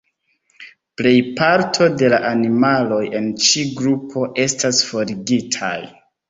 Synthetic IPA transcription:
ple̞jpaɾtʰo̞de̞laʔanimalo̞je̞nt͡ʃiɡɾupʰo̞ʔe̞stasfo̞ɾiɡitʰa̰j

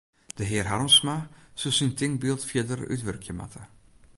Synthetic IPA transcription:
d̥əɦɪːrɦarmsmasəsintɪŋbilˠtfjədəry̰tʋørkʰjəma̰tʰə

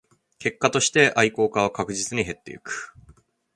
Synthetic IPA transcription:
ke̞kːat̪o̞ɕi̥t̪e̞ʔaiko̞ːkaβkakɯ̟ʑit͡sɨɲ̟iɦe̞t̪ːe̞̰ɯkɯ̟̥

